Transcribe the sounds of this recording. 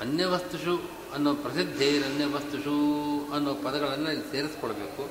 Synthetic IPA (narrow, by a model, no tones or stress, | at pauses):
ɐnjɐʋɐst̪uʂu | ɐnːoːpɾɐsid̪ʱːeːiɾɐnjɐʋɐst̪uʂuɐnːoːpɐd̪ɐɡɐɭɐnːuɐlːiseːɾiskɔɭɐbeːku